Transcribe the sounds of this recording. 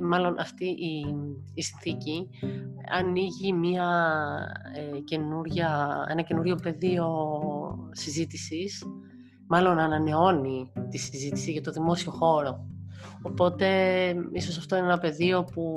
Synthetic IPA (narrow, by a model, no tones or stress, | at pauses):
mɐlo̞nʔɐft̪iʔiː | sinθici | ɐ̰niʝimiɐ | ce̞nuɾʝɐe̞̰nɐce̞nuɾʝo̞pe̞ðio̞ | sizit̪isis | mɐlo̞nɐnɐne̞o̞nit̪isizit̪i̥siʝɐt̪o̞ðimo̞sio̞xo̞ɾo̞ː | po̞t̪e̞iso̞sɐft̪o̞inenɐpe̞ðio̞pu